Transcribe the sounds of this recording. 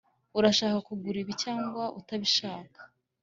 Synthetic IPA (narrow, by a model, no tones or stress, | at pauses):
uɾaʃaːkakuɡuɾiβicaːŋɡwaʔutaβiʃaːkḁ